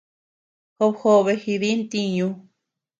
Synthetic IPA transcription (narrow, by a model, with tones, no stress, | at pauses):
ho˧pho˧βe˧hi˧ði˦nt̪i˧ɲũ˧